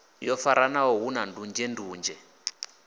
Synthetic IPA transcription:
jɔfaɾanawɔɦunandund͡ʒɛnduːnd͡ʒɛ

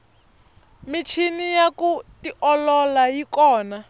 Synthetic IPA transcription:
mit͡ʃʰinijakutiʔɔlɔlajikɔːna

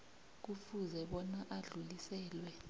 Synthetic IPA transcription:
k̬ufuzɛɓɔnaʔaɮulisɛːlwɛ

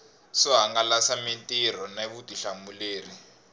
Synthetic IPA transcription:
sɔɦaŋɡalasamintʼiɾ̤ɔnaβutiɬamuleːri

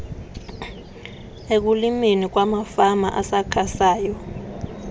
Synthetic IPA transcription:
ek̬uliminik̬wamafama̰ʔasakʰasaːjɔ

